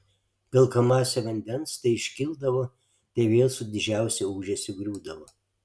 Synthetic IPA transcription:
pʲɐlˠkɐmɑːsʲɛʋɐnʲd̪ʲɛnst̪ɐɪɪʃʲkʲɪlˠd̪ɐʋoː | t̪ʲɐɪʋʲeːlˠsʊd̪ʲɪd͡ʒʲæˑʊsʲɛuːʒʲɛsʲɪɡɾʲuːd̪ɐʋoː

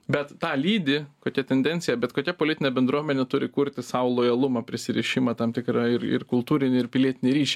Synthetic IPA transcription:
bʲɛt̪t̪ɑːlʲiːd̪ʲɪkoːkʲɛt̪ʲɛnd̪ʲɛnʲt̪sʲɪjɛbʲɛt̪koːkʲɛpoːlʲɪt̪ʲɪnʲɛbʲɛnd̪ɾuɔmʲɛnʲɛt̪ʊɾʲɪkuɾʲt̪ʲɪsɑʋʊlˠoːjɐlˠʊmɐpʲɾʲɪsʲɪɾʲɛʃʲɪmɐt̪ɐmt̪ʲɪkɾɑɪrɪ̰rkʊlˠt̪uːɾʲɪnʲɪɪɾpʲɪlʲiɛt̪ʲɪnʲɪɾʲiːʃʲi

